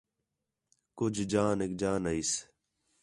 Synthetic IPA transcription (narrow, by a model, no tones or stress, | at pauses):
kʊd͡ʒʱd͡ʒaːneːk̚d͡ʒaːnəis